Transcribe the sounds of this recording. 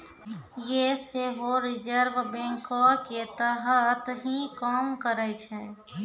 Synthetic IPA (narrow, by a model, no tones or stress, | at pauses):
jeseɦoɾɪd͡ʒəɾʋbẽŋkɔɾket̪əɦət̪ɦikɔːmkəɾɛt͡ʃʰɛ